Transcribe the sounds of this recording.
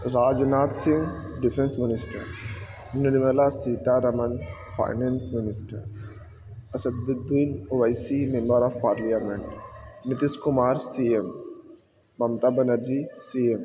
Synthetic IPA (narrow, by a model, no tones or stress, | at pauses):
ɾaːd͡ʒnaːt̪sĩŋɡɖifʰẽnsmɪnɪsʈɐ̰ɾ | nɐnimɐlasiːt̪aɾɐmɐnfʰa̰ːjnensmɪnɪsʈɐ̰ɾ | ɐsɐd̪d̪iːnoʋajsimẽmbəɾɔːfpaːɾliameɳʈnit̪iskʊmaːɾsiemː | ɐmt̪abɐnɐɾd͡ʒisiem